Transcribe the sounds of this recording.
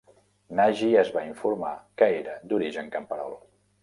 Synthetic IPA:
naʒiəzβaiɱfuɾmakəeɾəd̪uɾiʒəŋkəmpəɾɔ̰lˠ

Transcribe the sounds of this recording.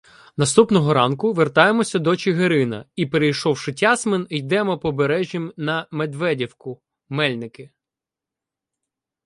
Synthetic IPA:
nɐst̪upnɔɦɔɾɑnkʊʋert̪ɑjemɔsʲɐd̪ɔt͡ʃɪɦeɾɪnɐ̰ipeɾejʃɔwʃɪtʲɑsmenijd̪ɛmɔpɔbeɾɛʒʲjimnɐmed̪ʋɛdʲiwkʊ | mɛlʲnɪkɪ

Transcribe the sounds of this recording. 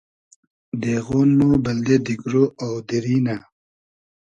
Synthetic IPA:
d̪eːɣoːnmobɐld̪ed̪ikɾoawd̪iɾiːna

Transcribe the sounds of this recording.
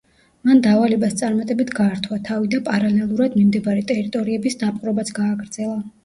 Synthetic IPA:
mand̪avalɛbast̪sʼaɾmat̪ʼɛbit̪ʰɡaːɾt̪ʰwat̪ʰavid̪apʼaɾalɛlˠuɾad̪mimd̪ɛbaɾɛt̪ʼɛɾit̪ʼɔɾiɛbisd̪apʼqʼɾɔbat̪sʰɡaːɡɾd̪z̥ɛlˠa

